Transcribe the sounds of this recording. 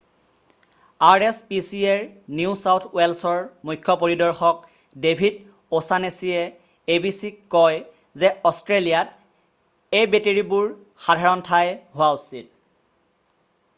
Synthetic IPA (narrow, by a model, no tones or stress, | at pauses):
aɹespisieɹniusawtʰwelsɔɹmujkʰjɔpoɹidɔɹxɔk̚ | debʱid | osanesiɛ | ebisikkːɔj | zɛɔstɹelijat | ejbeteɹibuɹ | xadʱaɹɔntʰajɦʊwausil